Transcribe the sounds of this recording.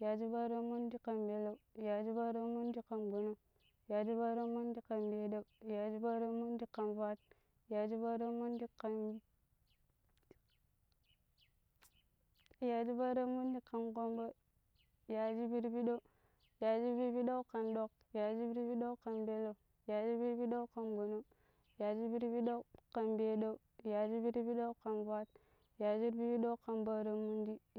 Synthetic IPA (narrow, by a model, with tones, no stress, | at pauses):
ja˨d͡ʒi˦ba˦ɾa˦mu˦ndi˦ka˨mbe˨la˦ja˨d͡ʒi˦ba˦ɾa˦mu˦n˦di˦ka˨nɡo˨no˦ | ja˨d͡ʒi˦ba˦ɾa˦mu˦ndi˦ka˨mbe˨˦da˦˨ja˨d͡ʒi˦ba˦ɾa˦mu˦ndi˦kːa˨nva˦t̚ | ja˨d͡ʒi˦ba˦ɾa˦mu˦ndi˦ka˨n | ja˨d͡ʒi˦ba˦ɾa˦mu˦ndi˦kːa˨nɡo˦mba˦ | ja˨d͡ʒi˦bi˦ɾbi˦ɗo˦ | ja˨d͡ʒi˦bi˦ɾbi˦ɗa˦ka˨nɗo˦k | ja˨d͡ʒi˦bi˦ɾbi˦ɗo˦ka˨nbe˦la˦ | ja˨d͡ʒi˦bi˦ɾbi˦ɗa˦ka˨nɡo˨no˦ | ja˨d͡ʒi˦bi˦ɾbi˦ɗo˦ka˨nbe˦ɗa˦ja˨d͡ʒi˦bi˦ɾbi˦ɗa˦ka˨nba˦t̚ | ja˨d͡ʒi˦ɾbi˦bi˦do˦ka˨nba˦ɾa˦mu˦ndi˦